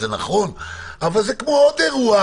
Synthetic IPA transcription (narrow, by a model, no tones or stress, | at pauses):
ena̰χo̞n | avalzekmood̪eʁua